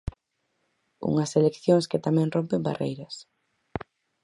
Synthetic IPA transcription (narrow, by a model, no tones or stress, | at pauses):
ṵŋɐselekθjoŋskɪt̪amɛ̃ŋrompemba̰rḛjɾɐs